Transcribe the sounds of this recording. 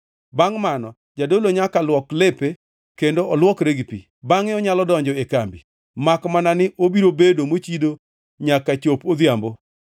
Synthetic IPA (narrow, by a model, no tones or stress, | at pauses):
baŋmanɔ | d͡ʒadoloɲakalwɔklepe | kendoɔlwɔkɾeɡipḭ | baŋɪɔɲalɔdɔɲd͡ʒɔekambi | makmananɪʔobiɾobedomot͡ʃido | ɲakat͡ʃopod̪jambo